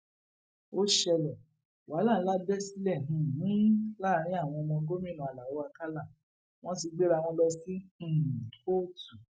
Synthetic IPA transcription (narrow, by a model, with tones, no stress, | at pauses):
o˦ʃɛ˧lɛ˨ | wa˨˦lã˦˨˦la˦bɛ˦si˦lɛ˦˨nũ˨nĩ˦la˦˨˧ɾ̃ĩ˦a˦˨w̃ɔ̃˧nɔ̃˧ɡo˦mĩ˦˨nũ˨a˨la˨wo˨˦a˧ka˦la˦˨ | w̃ɔ̃˦t̬i˧ɡ͡be˦ɾa˧w̃ɔ̃˧bɛ˧sĩ˦˨ | ko˦tu˨